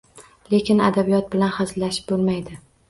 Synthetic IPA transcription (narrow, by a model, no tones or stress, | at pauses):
lekʲɪna̰d̪abijɒt̪̚bɪlanχazɪlaʃɪ̥p̚bolˠmajd̪ɪ